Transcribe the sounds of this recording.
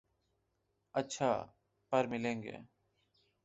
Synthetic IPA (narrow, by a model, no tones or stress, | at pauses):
ətːt͡ʃʰaː | pəɾmɪlẽːŋɡḛː